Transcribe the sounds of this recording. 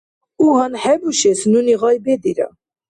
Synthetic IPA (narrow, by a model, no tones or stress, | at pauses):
uɦanħɛbuʃɛsnuniʁɑjbɛd̪iɾə̰